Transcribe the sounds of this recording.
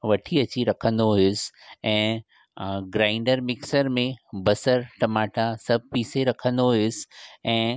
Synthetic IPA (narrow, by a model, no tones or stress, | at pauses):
ʋɐʈʰiɐt͡ɕiɾɐkʰə̃nd̪oɦɪʊsɛ̃ː | ɡɾaːɪ̃ɳɖəɾmɪksəɾmẽbɐsəɾʈɐmaːʈasɐb̚ʱpiːseɾɐkʰə̃nd̪oɦʊsɛ̃ː